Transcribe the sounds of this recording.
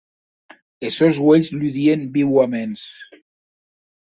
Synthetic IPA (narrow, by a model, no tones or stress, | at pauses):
esozɣweʎzlyðiembiwamens